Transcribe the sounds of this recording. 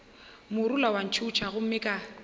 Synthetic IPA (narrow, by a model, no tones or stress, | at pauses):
mʊɾulawan̩t͡ʃʰut͡ʃʰaɣʊm̩mɪkʼa